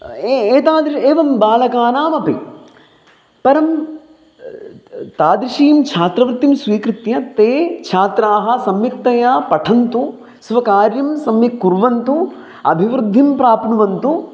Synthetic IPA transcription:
eːt̪aːd̪ɾieːʋɐmbaːlɐkaːnaːmɐpi | pɐɾɐm | t̪aːd̪ɾiʃiːmt͡ʃʰaːt̪ɾɐʋɾɪt̪ːimsʋiːkɾɪt̪jɐt̪eːt͡ʃʰaːt̪ɾaːɦɐ̆sɐmjikt̪ɐjaːpɐʈʰɐnt̪u | sʋɐkaːɾjɐmsɐmjɐkːuɾʋɐnt̪u | ɐ̰bʱiʋɾud̪ʱːimpɾaːpnuʋɐnt̪u

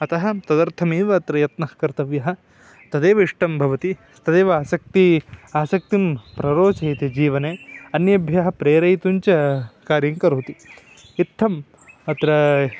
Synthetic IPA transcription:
ɐt̪ɐɦɐ̆t̪ɐd̪ɐɾt̪ʰɐmeːʋɐːt̪ɾɐjɐt̪nɐhkɐɾt̪ɐʋjɐɦɐ̆ | t̪ɐd̪eːʋɐiʂʈɐmbʱɐʋɐt̪ist̪ɐd̪eːʋɐaːsɐk̚t̪iaːsɐk̚t̪impɾɐɾoːt͡ʃɐjt̪ed͡ʒiːʋɐneːɐnjɐbʱjɐɦɐpɾeːɾɐjt̪uɲt͡ʃɐkaːɾjɐŋkɐɾoːt̪i | it̪ʰːɐm | ɐt̪ɾɐ

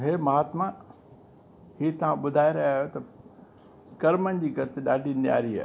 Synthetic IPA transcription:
ɦeːmɐɦaːt̪ma | hiːt̪ɐʋ̤ãɓʊd̪ʱaːeɾɐɦaːjot̪ɐ | kɐɾmənɪ̆d͡ʑiːɡɐt̪ɪɗaːɖʱinja̰ːɾia̰ː

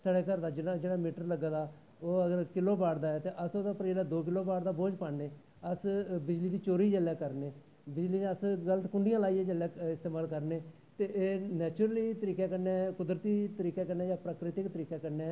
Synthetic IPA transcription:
səɽeːkəɾd̪aːd͡ʒɪnãd͡ʒeːɽaːmiːʈəɾləɡaːd̪aː | oːəɡəɾkɪloːbaːɽd̪aːɛːt̪eːʔəsoːd̪aːpɾeːlaːd̪oːk̬ɪloːbaːɽd̪aːboːd͡ʒpaːɳneː | əsbɪd͡ʒliːd̪iːt͡ʃoːɾiːd͡ʒəljaːkəɾneː | bɪd͡ʒliːneəsɡələt̪kʊɳɖɪjãːlaːiːɛ̃d͡ʒəlːɛːɪst̪eːmaːlkəɾneː | t̪eːʔeːnɛːt͡ʃʊɾəliːt̪əɾiːkɛːkəneːkʊd̪ɾət̪iːt̪əɾiːkɛːkəneːd͡ʒaːpɾaːkɾɪt̪ɪkt̪əɾiːkaːkəɾne

